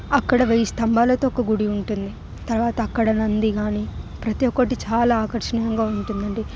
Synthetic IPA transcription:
ɐkːɐɽɐʋeːjist̪ɐmbaːlɐt̪oːkɐɡuɽiuɳʈund̪i | t̪ɐɾʋaːt̪ɐːkːɐɽɐnɐnd̪iɡaːniːpɾɐt̪ijɔkːɐʈit͡ʃaːlaːkɐɾʂɐɳɐjɐŋɡaːuɳʈund̪ɐɳɖi

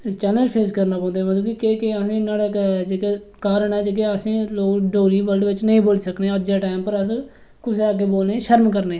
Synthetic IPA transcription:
t͡ʃɛːnəlpʰeːskəɾnaːpɔ̃ːnd̪eːməd̪ũːkikeːkeəsẽːnaːɽeːd͡ʒeːkeː | kaːɾəɳɛːd͡ʒek̬eəsẽːloːkɖoːliːbəlɖʋɪt͡ʃnəĩːboːlisəkneːəd͡ʒaːʈaːɪmpəɾəs | kʊs̬eaːɡeːboːlnẽːʃəɾmkəɾneː

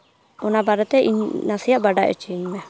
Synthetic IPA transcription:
ɔnabaɾɛt̪ɛʔḭɲnasijaʔbaɖaʔɛ̰t͡ʃiɲmɛ

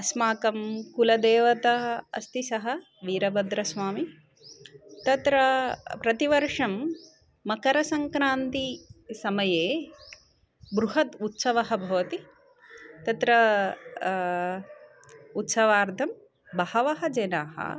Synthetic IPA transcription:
ɐsmaːkɐmkulɐd̪eːʋɐt̪ɐɐ̰st̪isɐɦɐ | ʋiːɾɐbɐd̪ɾɐsʋaːmi | t̪ɐt̪ɾɐpɾɐt̪iʋɐɾʂɐmː | ɐkɐɾɐsɐŋkɾaːnt̪isɐmɐjeː | bɾuɦɐt̪ut̪sɐʋɐɦɐ̆bʱɐʋɐt̪i | t̪ɐt̪ɾɐ | ut̪sɐʋaːɾt̪ʰɐm | bɐhɐʋɐɦɐd͡ʒeːnaːɦɐ̰

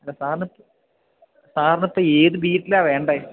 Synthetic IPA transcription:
ɐlːɐsaːɾɐɳɐt̪ːɨ | saːɾɐɳɐt̪ːɐeːðɨbiːʈːilaːʋeːɳɖɐ

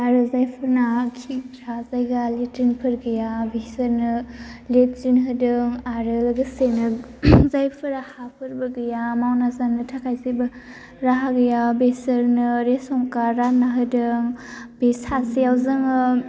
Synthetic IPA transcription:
aɾɯzajpʰɯɾnakʰiŋɾʰazajɡaletinpʰɯɾɡɯjabesəɾnɯlet̚zinɦɯdɯŋaɾɯlɡɯsenɯzajpʰɯɾahapʰɯɾbɯɡɯjamawnazanɯtʰakʰajzajbɐ | ɾaɦaɡɯjabesəɾnɯɾesɔŋkaɾanaɦɯdɯŋbesasijawzɯŋɯ

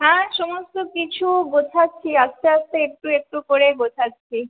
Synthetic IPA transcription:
ɦɛ̃ʃɔmost̪okit͡ɕʰuɡot͡ɕʰatːɕʰiast̪ʰeast̪eek̚ʈuek̚ʈukoɾeɡot͡ɕʰatːɕʰi

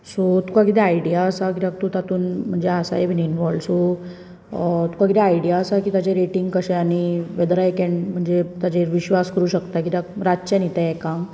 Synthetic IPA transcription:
sot̪ukakit̪̬eaiɽijaəsakit̪ak̚t̪ut̪at̪uːnm̤əɳd͡zeasa̰ebʱininʋɔlso | t̪u̥kãkit̪eaiɽijaəsakiːt̪at͡ɕeɾeʈiŋɡkəɕeaɽ̃iʋed̪ɾaekɛɳɖm̤əɳd͡zet̪at͡ɕeʋiɕʋaskəɾuːɕəkt̪akit̪ak̚ɾat͡ɕenit̪aɛkã

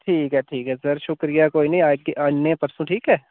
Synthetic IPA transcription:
ʈʰiːkɦɛʈʰiːkɦɛːsəɾʃʊkɾijakoːinɐɦĩaːɡiʔɐnːepɐɾsũʈʰiːkɦɛː

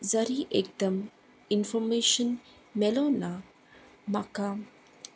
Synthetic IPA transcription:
zɐɾiːʔek̚d̪ɐm | infɔɾmeːʃən | meloːna | maka

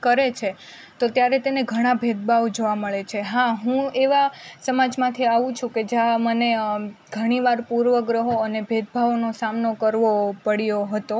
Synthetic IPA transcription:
kəɾet͡ʃʰe | t̪ot̪jaɾet̪eneɡʱəɽ̃abʱed̪̚bʱaʋd͡ʒoʋaməɭet͡ʃʰeɦaɦũeʋasəmad͡ʒmãt̪ʰiaʋũt͡ʃʰũked͡ʒjaməneɡʱəɽ̃iʋaɾpuɾʋəɡɾəɦoənebʱed̪̚bʱaʋnosamnokəɾʋopəɽjoɦət̪o

